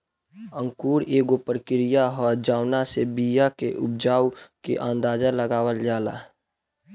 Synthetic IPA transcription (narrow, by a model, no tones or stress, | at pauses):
ə̃ŋkuːɽeːɡopəɾkɪɾɪjaɦɔːd͡ʒaːwnasebijakeʔʊb̚d͡ʒaːwkḛʔãːnd̪aːd͡ʒaləɡaːwəld͡ʒaːla̰ː